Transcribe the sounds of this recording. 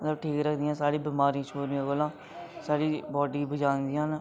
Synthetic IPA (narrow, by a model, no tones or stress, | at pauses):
mət̪ləbʈʰiːkɾəkʰd̪ijãːsaːɽiːbɪmaːɾĩt͡ʃʰoːniãːɡolãː | saːɽiːbɔːɖiːbəd͡ʒaːnd̪ĩːɦn